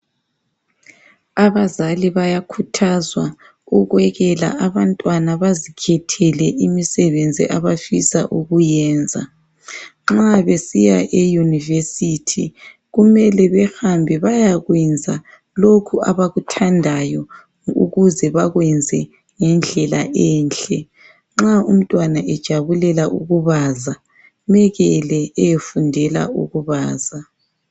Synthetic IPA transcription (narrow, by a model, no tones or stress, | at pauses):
aβazaliβajakʰutʰazwa | uɣwɛɣɛla̰aβantʼwanaβazikʰɛtʰɛlɛʔimisɛβend͡zʱḭʔaβafisa̰ʔuɣujɛːnd͡zʱa̰ | ŋ͡ǁaβesijaʔejunivesitʰi | ɣumɛlɛβɛxambʱɛβajaɣwɛnd͡zʱa | lokʰuaβaɣutʰandʱajɔ | ṵɣuzɛβaɣwɛnd͡zʱɛ | ŋɛnd͡ɮʱɛlaʔɛːnɬɛ | ŋ͡ǁaum̩tʼwanaʔɛd̥ʒ̥ʱaβulɛlaʔuɣuβaza | mɛɣɛlɛɛjefundʱɛla̰ṵɣuβaːza